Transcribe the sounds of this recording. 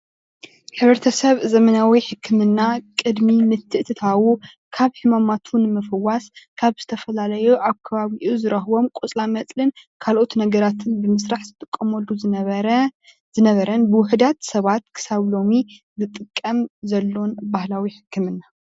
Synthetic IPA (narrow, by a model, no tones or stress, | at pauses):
ħɨβɾɛt̪ʰɐsɐβzɐmɐnawiħɨkʰːɨmɨnːakʼɨd̪mimɨt̪ʰːɨʔt̪ʰɨt̪ʰawu | kʰaβħɨmamat̪ʰunɨmɐfɨwːaskʰaβz̥ɨt̪ʰɐfɐlalɐjuʔaβkʰɐβaβiʔuzɨɾɐhwo̞mkʼot͡sʼlamɐt͡sʼlɨnkʰalʔo̞t̪nɐɡɐɾat̪ʰɨnbɨmɨsɾaħzɨt̪ʼɨkʼːɐmwolːu | zɨnɐβɐɾɐnbɨwʊħd̪at̪sɐβat̪kʰɨ̥saβlo̞mi | zɨt̪ʼɨkʼːɐmzɐlːonbahlawiħɨ̥kʰːɨmɨnːa